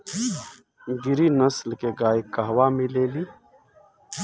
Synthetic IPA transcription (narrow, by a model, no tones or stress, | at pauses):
ɡɪɾinəslkeɡaːikaɦwamileːliː